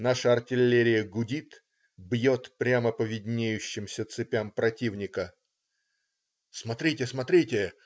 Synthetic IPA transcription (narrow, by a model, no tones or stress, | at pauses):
naʂəɐrtʲɪlʲːeɾʲɪjəɡʊdʲit̪ | bjo̞t̪pɾʲaməpəvʲɪdʲnʲejʉɕːɪmsʲət̪sɨpʲampɾɐtʲivnʲɪkə | smɐt̪ɾʲitʲɪsmɐt̪ɾʲitʲɪ